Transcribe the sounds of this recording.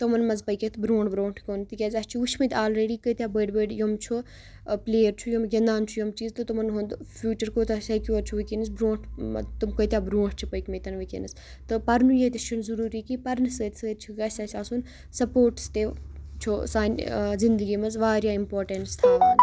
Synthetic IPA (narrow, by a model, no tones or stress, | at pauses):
t̪omɐnmɐzpəjket̪ʰbɾoːɳʈbɾoːɳʈʰkoːnt̪ikʲɐzʲɐst͡ʃʰiʋut͡ʃʰmɐt̪aːlɾeːɖiːkət̪ʲjaːbəːɖbəːɖjomt͡ʃʰu | pleːjəɾt͡ʃʰujomɡʲɐnd̪aːnt͡ʃʰujomt͡ʃiːzt̪ɨt̪umɐnɦund̪fjuːt͡ʃɐɾkoːt̪ɐsɐkʲjuɐɾt͡ʃʰuʋikinɨs̬bɾõːɳʈʰt̪umkəjt̪ʲjaːbɾõːɳʈʰt͡ʃʰipəjkmɐt̪ɐnʋikʲḭnɨs | t̪ɨpɐɾnujet̪it͡ʃʰunzɐɾuːɾikipɐɾnɨsəːt̪səːt̪̚t͡ʃʰuɡɐsʲɐsʲaːsun | sɐpoːɾʈst̪et͡ʃʰusaːnzind̪ɨɡiːmɐzʋaːɾjaːimpoːɾʈɐnst̪ʰaːʋ